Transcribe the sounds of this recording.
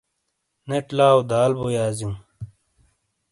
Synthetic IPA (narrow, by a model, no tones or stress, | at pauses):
neʈlaːod̪aːlbojaːzjũː